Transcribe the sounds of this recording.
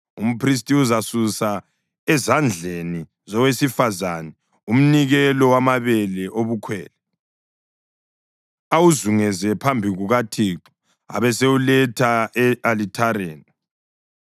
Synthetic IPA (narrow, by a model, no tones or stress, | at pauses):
um̩pʰris̬tʼiuzasusa | ɛzand͡ɮʱeni | zɔwesifazanɛ | um̩niɣɛlɔwamaβɛlɛʔoβukʰwɛːlɛ | awuzuŋɛzɛpʰambʱiɣuɣatʰiːǃɔ̥ | a̰βɛseulɛtʰaɛalitʰaɾeːni